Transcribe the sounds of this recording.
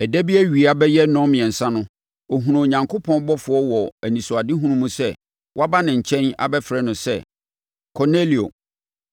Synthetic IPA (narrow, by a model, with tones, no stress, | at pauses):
ɛ˨dæ˦bi˦æ˦ɥi˨a˦bɛ˦jɛ˦nɔ̃˦mɪ̃˨ɛ̃˨n̩˨sã˦nʊ̃˦ | o˨ɦũ˨ɾã˨ɲã˨ŋkʰo˦pʰɔ̃˦n˦bɔ˦fʊ˨ɔ˦wɔ˨æ˨nĩ˨sʊ˨a˨dɪ˦ɦũ˦ɾũ˦mũ˦sɛ˦ | wʔa˦ba˦nɪ̃˨ɲ̩˨t͡ɕʰɛ̃˦na̰˨bɛ˦fɾɛ˦nʊ̃˨sɛ̰˦ | kʰɔ˨ne˦li˨o̰˨